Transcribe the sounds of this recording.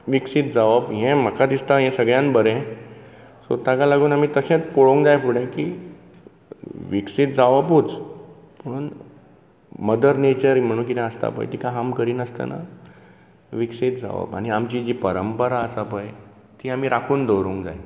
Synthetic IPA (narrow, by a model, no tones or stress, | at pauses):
ʋiksit̪̚d͡zaʋəbɦẽm̤əkʰad̪ist̪aɦẽsəɡɭjãnbəɾɛ̃ | so̰t̪ãkalaɡuːnamiːt̪əsẽt̪poɭoŋkd͡zajfuɽẽkiː | ʋiksit̪̚d͡zaʋəbɦut͡s | pəɳ | məd̪əɾnet͡ɕəɾm̤əɽ̃uːnk̬it̪ɛ̃əst̪a̰pə̰jt̪ikãɦamkəɾiːnəst̪a̰na̰ | ʋiksit̪̚d͡za̰ʋə̰ba̰ɽ̃iamt͡ɕid͡ʑipəɾəmpəɾaəsapəj | t̪iːam̤iɾakʰuːnd̪ʱowɾũŋkd͡za̰j